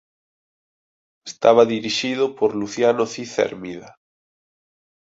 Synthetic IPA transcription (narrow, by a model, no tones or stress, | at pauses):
est̪aβaðiɾiʃið̞opoɾluθjanoθiθḛɾmiða